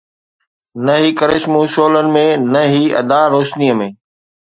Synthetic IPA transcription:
nəɦiːkəɾɪʃmũːʃoːlənɪ̆mẽːnəɦiːɐ̰d̪aːɾoːʃniːəmẽː

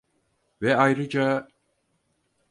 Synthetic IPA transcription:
vɛajɾɯd͡ʒa

